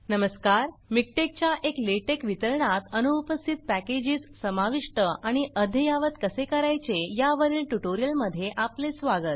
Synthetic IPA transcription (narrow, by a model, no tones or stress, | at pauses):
nəməskaɾmik̚ʈek̚t͡ɕjaʔekleʈekʋit̪əɾɳat̪ənuːpəst̪ʰit̪̚pæked͡ʑiːssəmaʋiʂʈəaɽ̃iʔəd̪ʱjəjaʋət̪kəsekəɾajt͡sejaʋəɾiːlʈuʈoɾijəlməd̪ʱːjeʔaplesʋaɡət̪̚